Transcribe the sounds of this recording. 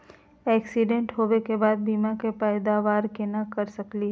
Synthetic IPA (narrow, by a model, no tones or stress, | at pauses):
ɛːksiɖẽɳʈɦoʋekebaːd̪̚bimãkepɛjd̪aʋaːɾkenakəɾsəkliɦ